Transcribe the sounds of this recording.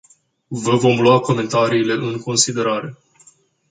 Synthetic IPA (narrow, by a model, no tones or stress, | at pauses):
vəvo̞mluako̞me̞nt̪aɾiːle̞ʔɨŋko̞nsid̪e̞ɾaɾe̞